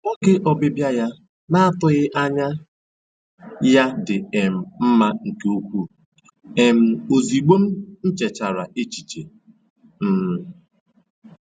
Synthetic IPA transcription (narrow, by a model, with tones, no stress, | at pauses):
ɔ˦kɪ˦ʔɔ˨bɪ˦bja˦ja˦ | na˦a˦tʊ˦ɣɪ˦ʔa˦ɲa˦ | ja˦dɪ˨e˨m̩˨m̩˦ma˦ŋ̩˨ke˦o˦kʷu˦ | e˨m̩˨o˨zi˨ɡ͡bo˦m̩˦n̩˦t͡ʃe˨t͡ʃa˨ɾa˨ʔe˦t͡ʃi˨t͡ʃe˨ | m̩˦m̩˦